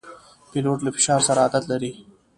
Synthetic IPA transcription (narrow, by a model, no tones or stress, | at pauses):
piloʈlafɪ̥ʃɑːɾsaɾaːd̪at̪laɾi